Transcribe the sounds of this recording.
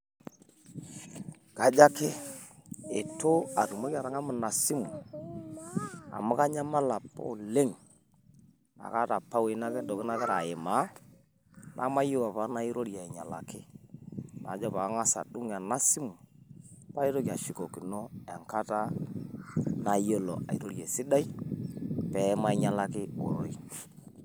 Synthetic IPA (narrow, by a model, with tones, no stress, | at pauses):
ka˨d͡ʒa˦kɪ˦ | e˨to˦a˨ɾu˨ma˦ka˨ɾa˨ŋa˦mʊ˨na˨si˦mṵ˨ | a̰˨mʊ˦ka˦ɲa˦ma˦la˨pa̰˦˨le˦ŋ | na̰˨ka˦ta˨pːa˦we˨˦na˦kɛ˦dɔ˨kɪ˦na˦kɛ˦ɾa˨ɪ˨ma˨˦ | nʔa̰˦ma˦jo˦wa˨pa˦na˦i˦ɾo˦ɾja˨ɛ˨ɲa˨la̰˨kɪ˦ | na˨d͡ʒɔ˦pa˨˦ŋa˦sa̰˨du˦ŋ˨a˨na˦si˦mu˨ | pa˦i˦ɾo˦ki˨a˨ʃi˨ko˨ki˨no˦ɛ˨ŋka˦ta˦ | na˨jo˦lo̰˨a̰˨i˨ɾo˦ɾje˨sɪ˦da˦i˦ | pɛ˨˦ma˦ɛ˦ɲa˦la˦kɪ˦ɔ̰˨ɾo̰˨i˦